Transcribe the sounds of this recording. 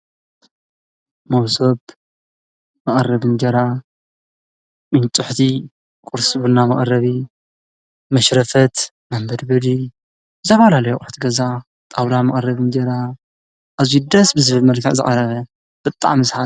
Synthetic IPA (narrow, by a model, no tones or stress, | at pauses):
mɐwsob | mɐkʼrːɐβɨnd͡ʒɐɾa | ʔɨnt͡sʼʊħt̪ʰi | kʼʊɾsɨβunːamɐχʼrɐβi | mɐʃɾɐfɐt̪ | mambɐd̪bɐd̪i | ɨzʰɐfalalɐjukʼʊħt̪ɡɐza | t̪ʼawlamɐχʼrɐβɨnd͡ʒɐɾa | ʔːzud̪ɐsbɨzɨβɨlmɐlkʰɐʕzɨ̰χʼɐɾɐβɐ | b̥ɨt̪ʼa̰ʕmɨsħa